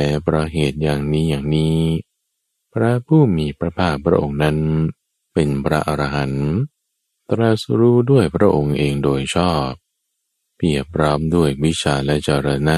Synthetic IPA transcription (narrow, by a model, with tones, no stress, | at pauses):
ɛ˨˦pʰɾa˧ɦeː˨˩t̪̚jaː˨˩ŋniː˦˥jaː˨˩ŋniː˦˥ | pʰɾa˦˥pʰuː˥˩miː˧pɾa˧pʰaː˥˩k̚pʰɾa̰˦˥ʔo˧ŋna˦˥n | pe˧npʰɾa˦˥ʔa˧ɾa˧ɦa˩˦n | t̪ɾa˧sɾuː˦˥du˥˩əjpʰɾa˦˥ʔo˧ŋʔeː˧ŋdoː˧jt͡ɕʰɔː˥˩p̚ː | i˨˩əpʰɾɔː˦˥mdu˥˩əjwi˦˥t͡ɕʰaː˧lɛ˦˥t͡ɕaː˧˩ɾa˧naː˥˩